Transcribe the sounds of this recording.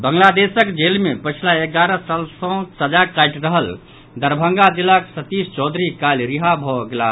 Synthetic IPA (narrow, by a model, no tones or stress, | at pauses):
bəŋlad̪esəkd͡ʒelmepət͡ʃʰilaeɡaɾəsalsɔ̃səd͡ʒakajʈɾəɦəl | d̪əɾbʱəŋɡad͡ʒilːaksət̪ist͡ʃɔd̪ʱɾikalɾiɦabʱɔɡela